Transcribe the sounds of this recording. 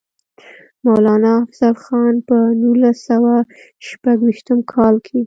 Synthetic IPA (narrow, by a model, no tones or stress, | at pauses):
mawlɑnɑːfz̥alxɑnpənulasawa | ʃpaɡwiʃt̪əmkʰɑlkʰe